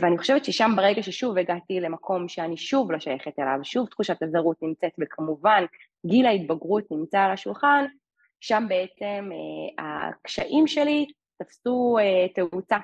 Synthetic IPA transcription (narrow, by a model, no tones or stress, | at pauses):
veaniχoʃe̞vett͡ʃʃeʃambaʁe̞ɡaʃeʃuveɡatile̞makʰo̞mʃeaniʃuvlo̞ʃajeχetela̰vʃuvtχuʃatazaʁutnimt͡setbekʰamuvan | ɡilait̚baɡʁutnimt͡salaʃulχan | ʃambe̞et͡se̞mea̰kʃaʔimʃe̞li | tafsueteut͡sa